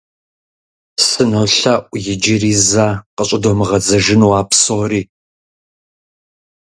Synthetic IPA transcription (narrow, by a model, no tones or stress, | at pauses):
sɨnɐwɬɐʔʷʼjɪd͡ʒɪriːzaːqəɕʼɪdoːmɨʁɐd͡zɐʒɪnwaːpsoriː